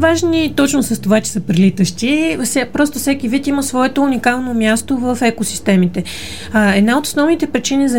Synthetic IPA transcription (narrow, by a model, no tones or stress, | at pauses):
vaʒnit̪ɔt͡ʃnosəst̪ovat͡ʃɛ̥səpɾilit̪əʃt̪isapɾɔst̪ofsɛkivit̪iməsvɔɛt̪ounikalˠnomʲjast̪ovəfɛkosi̥st̪ɛmit̪ɛ | ɛd̪naot̪o̥snɔvnit̪ɛpɾit͡ʃinizɐ